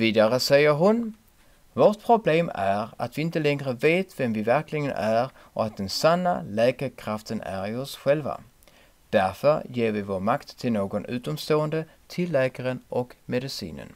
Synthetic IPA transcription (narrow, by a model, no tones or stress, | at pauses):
iːd̪aɾəsɛjəɾɦʊn | voːʈ̚pʰɾʊbleːmæɾa̰t̪vɪɪnt̪əlɛŋɾəveːt̪vɛmvɪvæɾklɪɡənʔæɾ | ɔat̪̚d̪ɛnsanːa̰lɛːkəɾkʰɾaft̪ənæ̰ɾɪɔsɧɛlva̰ | d̪̥æɾfœɾjeːɾvɪvoːɾmakt̪ʰːɪlnoːɡɔnʉ̟ːt̪ɔmst̪oːənd̪ət̪ʰɪlːɛːkaɾənʔɔkmɛd̪ɪsḭːnə̰n